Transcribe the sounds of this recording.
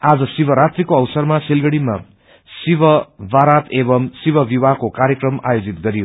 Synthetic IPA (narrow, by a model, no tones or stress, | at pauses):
ad͡zʌsibʱʌɾat̪rikoʌwsʌrmasilɡʌɽima̰ | sibʌbaɾat̪ebʌmsibʌbibakokaɾjʌkrʌma̰jod͡zit̪̚ɡʌɾijo